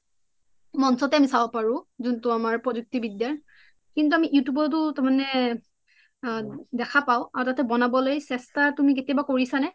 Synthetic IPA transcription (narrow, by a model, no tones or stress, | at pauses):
mɔnsɔtɛamisabɔpaɹʊ̃zuntʊamaɹpɹɔzuk̚tibidjaɹ | kintuamiʔiutubɔt̬ʊtamanɛ | dɛkʰapaʊ̃aɹutatɛbɔnabɔlojsɛstatumik̬etiabakoɹisanɛ